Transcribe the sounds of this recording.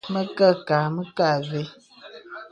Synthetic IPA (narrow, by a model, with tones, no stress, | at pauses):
mə˦kə˦˨ka˨mə˦ka˦˨ɣe˦